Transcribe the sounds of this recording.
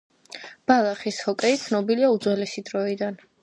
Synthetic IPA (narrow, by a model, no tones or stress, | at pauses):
b̥alˠaχishɔkʼɛit̪sʰnɔbiliaud̪zwɛlɛsid̪ɾɔid̪an